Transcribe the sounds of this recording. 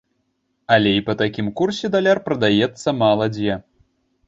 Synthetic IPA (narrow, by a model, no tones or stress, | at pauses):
ɐlʲɛipɐt̪akʲimkursʲɛd̪alʲarpɾɐd̪ajɛt̪sːɐmalˠɐd͡zʲjɛ